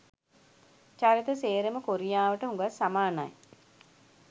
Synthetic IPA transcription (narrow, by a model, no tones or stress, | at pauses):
t͡ʃaɾit̪əseːɾəməkoɾijaːʋəʈəɦũŋɡasːamaːnaj